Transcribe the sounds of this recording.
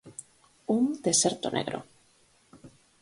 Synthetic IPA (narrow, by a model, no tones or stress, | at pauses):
und̪e̞se̞ɾt̪onʔḛɣɾo̰